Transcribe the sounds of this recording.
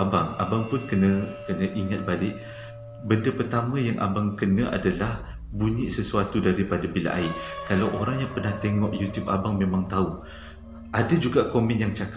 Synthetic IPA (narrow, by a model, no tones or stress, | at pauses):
abaŋa̰baŋpʊnkənə̃kənə̃ʔiŋat̪̚balɪʔ | bəndapərt̪amə̃jaŋʔa̰baŋkənə̃ʔa̰dalah | buɲiʔsəsuat̪udaɾipadabila̰ʔa̰ikalawʔoɾaŋjaŋpərnaht̪eŋɔʔjut̪jupabaŋmẽmaŋt̪au | ʔadad͡ʒuɡaʔkomɛ̃njaŋt͡ʃaka